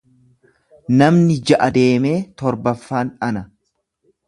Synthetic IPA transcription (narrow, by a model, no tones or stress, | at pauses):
nɐmnɪd͡ʒɐʔɐd̪e̞ːme̞ːt̪ɔɾbɐfːaːnɐnɐ